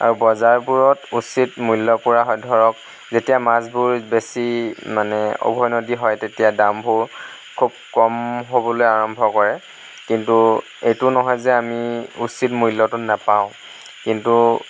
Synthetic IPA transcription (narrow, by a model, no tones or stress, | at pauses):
a̰ɹubɔzaɹpuɹɔtusitmujlːɔpuɹaɦɔjdʱɔɹɔk̚ | zetijamasbuɹbesimanɛɔ̰bʱɔjnodiɦɔjtetijadambʱuɹ | kʰub̚kɔmɦobɔlojaɹɔmbʱɔkɔɹɛ | kintu | ejtʊnɔɦɔjzɛamiusitmujlːɔtʊnapaʊ̃ | kintu